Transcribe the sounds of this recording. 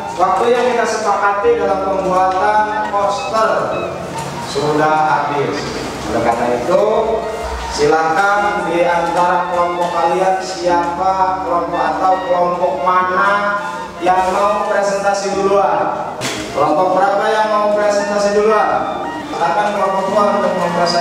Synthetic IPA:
wak̚t̪ujaŋkit̪asəpakat̪idalampəmbuat̪anpɔst̪ər | suɾudahabɪls | alakanait̪u | silakandiant̪aɾakəlɔmpɔkaliansiapakəlɔmpɔkat̪aukəlɔmpɔk̚mana | jaŋmaupɾɛsɛnt̪asiduluar | kəlɔmpɔk̚bəɾapajaŋmaupɾɛsɛnt̪asiduluar | silakankəlɔmpɔk̚duaɾt̪aŋməpɾasa

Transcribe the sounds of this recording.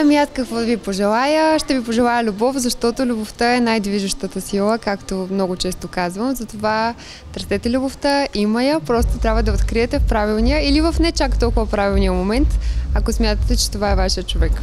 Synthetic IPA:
ɐmiat̪kəkvɔd̪əvipoʒɛlˠajəʃt̪ɛvipoʒɛlˠajəlʲubɔfzɐʃt̪ɔt̪olʲuboft̪əɛnajd̪viʒəʃt̪ət̪əsilˠəkakt̪omnɔɡʊt͡ʃɛst̪okazvəmzɐt̪ova | t̪ɾsɛt̪ɛlʲuboft̪əimɐjəpɾɔst̪ot̪ɾʲabvəd̪ɐot̪kɾiɛt̪ɛfpɾavilˠnijəilivəfnɛt͡ʃakt̪ɔlˠkʊvɐpɾavilˠnijəmomɛnt̪ɐkosmʲjat̪ət̪ɛt͡ʃɛ̥t̪ovaɛvaʃijət͡ʃovɛk

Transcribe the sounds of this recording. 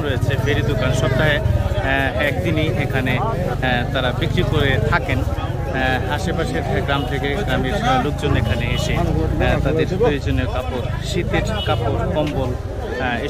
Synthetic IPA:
ɾojet͡ɕʰefeɾid̪okanʃɔp̚t̪ːaɦe | ɛk̚d̪iniekʰane | t̪aɾabikɾikoɾet̪ʰaken | aʃepaʃeɾɡɾamt̪ʰekeɡɾameɾd͡ʒaelok̚d͡ʑonekʰaneeʃet̪ad̪eɾd̪ued͡ʑonːeɾkapoɾ | ʃit̪eɾkapoɾkɔmbol | e

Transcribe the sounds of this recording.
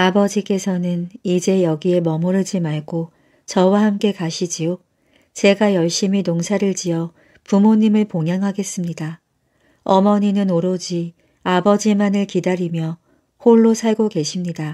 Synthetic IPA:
abʌd͡ʑik͈e̞sʰʌnɯnid͡ʑe̞jʌɡie̞mʌmoɾɯɭd͡ʑimaɭɡo | t͡ɕʌwahamk͈e̞kaɕʰid͡ʑio | t͡ɕe̞ɡajʌɭɕ͈iminoŋsʰaɾɯɭt͡ɕiʌ | pumoɲimɯɭpoŋjaŋɦaɡe̞s͈ɯmɲida | ʌmʌɲinɯnoɾod͡ʑi | abʌd͡ʑimanɯɭkidaɾimjʌ | hoɭːosʰaɭɡoke̞ɕʰimɲida

